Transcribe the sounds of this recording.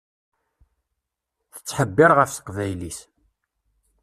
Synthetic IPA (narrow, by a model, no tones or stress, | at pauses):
θə̥t͡sːħəbːɪɾʁəfsə̥qvæjlis